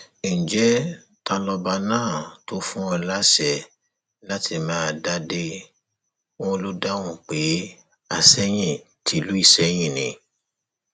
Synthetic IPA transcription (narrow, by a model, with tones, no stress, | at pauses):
ĩ˨d͡ʒɛ˦ | ta˧lɔ˧ba˧nãː˦˨to˨˦fũ˦ɔ˧la˦ʃɛ˦˨ | la˦tʰi˧˨mãː˦˧˨da˦de˦ | ɔ̃˦˧lu˦da˦w̃ũ˨k͡pe˨˦ | a˨sɛ˦j̃ĩ˦˨ | tʰi˨˦lu˨˦i˦˨sɛ˨˦j̃ĩ˦˨nĩ˨˧˦